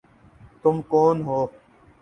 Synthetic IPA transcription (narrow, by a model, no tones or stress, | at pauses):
t̪ʊmkoːnɦoː